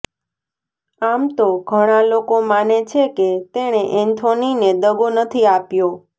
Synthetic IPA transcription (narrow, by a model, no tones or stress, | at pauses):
amt̪oɡʱəɽ̃alokomanet͡ʃʰeket̪eɽ̃eʔɛnt̪ʰonined̪əɡonət̪ʰiapjo